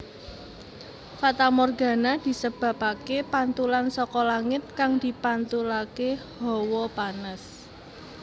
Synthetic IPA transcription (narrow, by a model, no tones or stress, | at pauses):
fat̪amɔrɡa̤nad̪̥i̤səb̥ä̤pakepant̪ulansɔkɔlaŋɪt̪̚kaŋd̪̥i̤pant̪ulakehɔwɔpanəs